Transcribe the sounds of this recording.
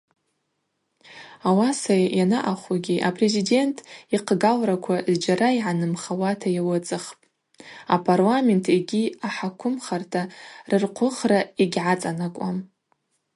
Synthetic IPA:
awasajjanaʔaχaɡʲiʔapʰre̞zide̞ntʰiqʰɡalrakʷʰazd͡ʒaɾaiʕanɨmχawatʰajawɨt͡sʼɨχpʼ | apʰarlame̞ntʰeɡʲiaħakʷʰʊmχartʰarɨrqʷʰʊχraiɡʲʕat͡sʼanakʷʼam

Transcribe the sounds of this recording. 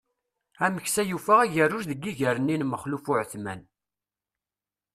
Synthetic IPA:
æməçsæjufæʁæʝərːʊɾðəɡːiʝəɾənːinməχlufʊʕθmæ̰n

